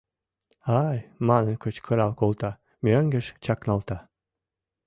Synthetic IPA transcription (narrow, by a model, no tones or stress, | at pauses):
ɑjmɑnɤ̆kɤt͡ɕkʰɤ̆ɾɑlkolˠt̪ɑ | mʲøŋɡə̆ʃt͡ɕɑknɑlt̪ɑ